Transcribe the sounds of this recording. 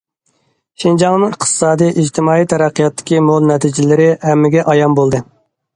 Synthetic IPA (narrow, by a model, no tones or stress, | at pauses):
ʃɪnd͡ʒɑŋnɨɪqt̪ʰɨ̥sɑːd̪ijʔid͡ʒt̪ʰɪmɑːijt̪ʰɛɾæqʰːijɑt̪ːɪ̥kʲimolˠnɛt̪ʰid͡ʒɪlɪɾɪɦɛmːɪɡʲɛʔɑjɑnbolˠd̪ɨ